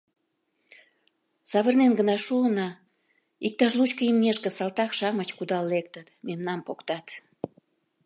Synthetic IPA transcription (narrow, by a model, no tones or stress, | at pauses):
sɑβərnenɡənɑʃuənɑ | ik̚t̪ɑʃ̬lut͡ɕkəimnʲeʃkə̆sɑlt̪ɑkʃɑmət͡ɕkud̪ɑlːek̚t̪ət̪memnɑmpokt̪ɑt̪